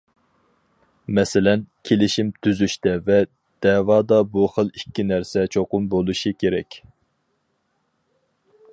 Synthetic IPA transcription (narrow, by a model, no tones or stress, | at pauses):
mɛsɪlɛnkʲʰelɪʃimt̪ʰyzyʃt̪ɛvɛ | d̪̥ɛːwɑːd̪ɑbuχəlˠikʲːinæɾsɛt͡ʃʰoqʊmbolˠuʃɨkʲʰeɾɛkʲ